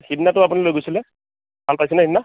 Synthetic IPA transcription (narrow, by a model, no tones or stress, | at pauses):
xidnatʊapunilojɡojsilɛ | malpajs̬ɛnahidnːa